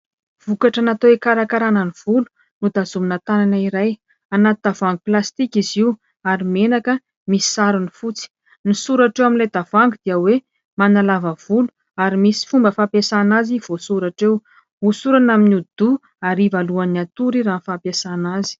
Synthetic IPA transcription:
v̥ukaʈ͡ʂanat̪oekaɾakaɾanəniv̥ulu̥ | nud̪azuminat̪ananaiɾaj | anat̪id̪avaŋɡuplast̪ikiziw | aɾimenakə | misi̥saɾunifut͡si̥ | nisuɾaʈ͡ʂewaminlad̪av̥aŋɡud̪̥iəwe | manalavəv̥ulu̥ | aɾimisi̥fumbəfapjasanaziv̥osuɾaʈ͡ʂew | usuɾanaminud̪̥u | aɾivaluaniat̪uɾiɾaːnfapjasanazi̥

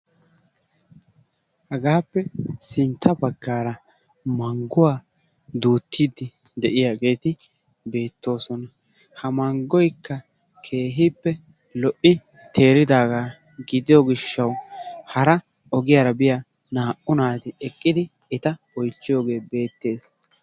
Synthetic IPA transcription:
hɛɡaːpːɛsɪnt̪ʰːɐbɐɡːaːɾɐ | mɐŋɡʊwaː | d̪uːt̪ːiːd̪ɪ | d̪ɛʔɪjaːɡe̞ːt̪ɪ | be̞ːt̪ːo̞ːsɔnɐ | hɐmɐŋɡɔjkːɐ | kʰe̞ːɦɪpːɛ | lɔʔːɪ | t̪ʰe̞ːɾɪd̪aːɡaː | ɡɪd̪ɪjɔɡɪʃːɐwhɐɾɐ | ɔɡɪjaːɾɐbɪja | naːʔʊnaːt̪ɪɛkʼːɪd̪ɪ | ɪt̪ɐ | ɔjt͡ʃːɪjoːɡe̞ːbe̞ːt̪ːe̞ːs

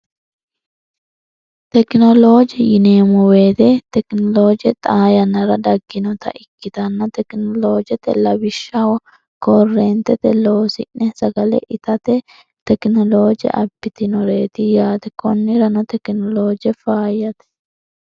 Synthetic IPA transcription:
t̪ɛknɔloːd͡ʒɛjɪneːmɔweːt̪ɛt̪ɛknɔlo̞ːd͡ʒɛt̪ʼaːjɐnɐɾɐd̪ɐɡːɪnɔt̪ɐ̰ʔɪkːɪt̪ɐnːɐt̪ɛknɔlo̞ːd͡ʒɛt̪ɛ̰lɐbɪʃːawɔ | kɔrːɛnt̪ɛt̪ɛlɐwɔsɪ̰ʔɛsɐɡɐlɛ̰ʔɪt̪ɐt̪ɛ | t̪ɛknɔlo̞ːd͡ʒɛ̰ʔɐbːɪt̪ɪnɔɾeːt̪ɪjaːt̪ɛkɔnːɪɾɐnɔt̪ɛknɔloːd͡ʒɛfaːjɐt̪ɛ̥

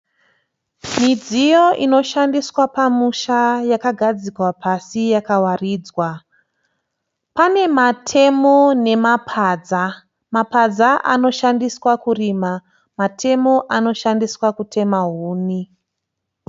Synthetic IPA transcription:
mid͡zijo̞ʔino̞ʃandiswapamuʃajakaɡʱad͡zikwapʰasijakawariːd͡zwa | pane̞matʰe̞mo̞ne̞mapʰaːd͡za | mapad͡zaʔa̰no̞ʃandiswakuriːma | matʰe̞mo̞ʔano̞ʃandiswakutʰe̞maɦuːni

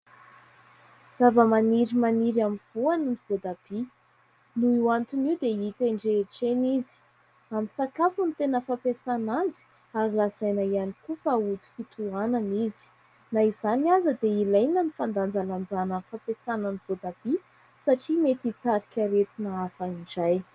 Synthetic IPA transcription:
z̥avəmaniɾimaniɾamiv̥uanəniv̥od̪ab̥i | nuiwant̪uniwd̪eit̪eɳɖ͡ʐeʈ͡ʂenizi̥ | aminsakafunit̪enəfapesanazi̥ | aɾilazajnaianikufaut̪i̥fit̪uananizi̥ | naizaniazəd̪eilajnənifand̪and͡zaland͡zanənfapesanəniv̥od̪ab̥i | saʈ͡ʂimet̪it̪aɾikʲaɾet̪inaafaiɳɖ͡ʐaj

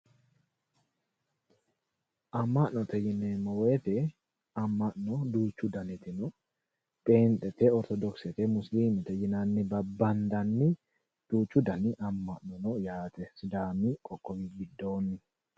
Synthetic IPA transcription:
ʔɐmːɐnɔt̪ɛjɪnːɛmɔwet̪ɛ | ɐmːɐʔnɔd̪uːt͡ʃːʊd̪ɐnɪt̪ɪnɔ | pʼe̞ːnt̪ʼːɛt̪ɛɔɾt̪ɔd̪ɔksɛt̪ɛmʊsliːmɛt̪ɛjɪnɐnːɪbɐbːɐnd̪ɐnːɪ | d̪̥uːt͡ʃːʊd̪ɐnɪʔɐmːɐʔnɔnɔjaːt̪ɛsɪd̪aːmɪkʼɔkʼːɔwibɪd̪ːo̞ːnːɪ

